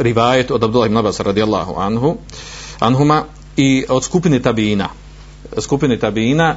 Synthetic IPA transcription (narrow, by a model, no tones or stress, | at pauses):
ɾiʋaːjat̪od̪abd̪ulːahibnabaːsaɾad̪ijalˠːa̰ɦṵanɦu | ʔa̰nɦuma | iod̪skupinet̪abiːna̰ | skupinet̪abiːna